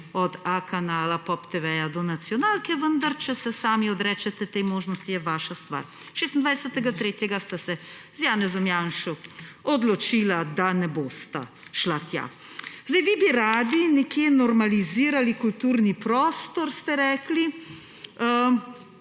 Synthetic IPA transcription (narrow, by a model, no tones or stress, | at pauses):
ɔd̪akanaːlapɔpt̪eʋɛjad̪ɔnat̪sjɔnaːlkɛʋənd̪aɾt͡ʃɛsɛsaːmiɔd̪ɾɛːt͡ʃɛt̪ɛt̪ɛjmoːʒnɔst̪ijɛʋaːʃast̪ʋa̰ːɾ | ʃeːst̪nd̪ʋajsɛt̪ɛɡat̪ɾeːt̪jɛɡast̪asɛzjaːnɛzɔmjanʃɔɔd̪lɔt͡ʃilad̪anɛboːst̪a̰ | ʃlat̪ja̰ | zd̪ɛjʋibiɾaːd̪inɛkjenɔɾmaliziːɾalikult̪uːɾnipɾɔːst̪ɔɾst̪ɛɾɛːkli | ə